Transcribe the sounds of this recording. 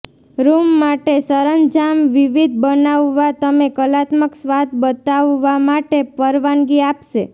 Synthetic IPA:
ɾumːaʈesəɾənd͡ʒamʋiʋid̪ʱbənaʋːat̪əmekəlat̪məksʋat̪̚ʰbət̪aʋːamaʈepəɾʋanɡiapʃe

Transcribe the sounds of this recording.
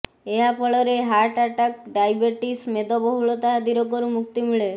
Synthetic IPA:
eɦapʰɔɭɔɾeɦaɾʈaʈak̚ɖajbeɾʈismed̪ɔbɔɦuɭot̪aɦad̪iɾɔkoɾumuk̚t̪imiɭe

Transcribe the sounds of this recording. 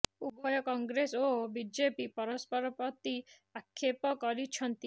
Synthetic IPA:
ubɔjɔkɔŋɡɾesobid͡ʒepipɔɾɔspɔɾɔpɾɔt̪i | akʰːepɔkɔɾit͡ʃʰɔnt̪i

